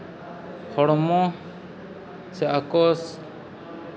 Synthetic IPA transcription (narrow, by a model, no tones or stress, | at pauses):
hɔɽɔmɔ | sɛakɔs